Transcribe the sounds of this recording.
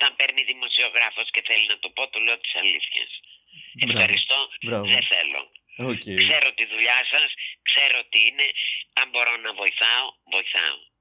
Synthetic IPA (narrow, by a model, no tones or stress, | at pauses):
t̪ɐmbeɾniðimo̞sio̞ɣɾɐfo̞sce̞θe̞linɐt̪o̞po̞t̪olo̞ot̪i̥sɐlḭθçɐ̰s | efxxɐɾist̪o̞bɾaðeθe̞̰lo̞̰ocekse̞ɾo̞t̪iðuʎɐsɐskse̞ɾo̞t̪iine̞ɐmbo̞ɾo̞nɐvo̞iθɐo̞ | vo̞iθɐ̰o̰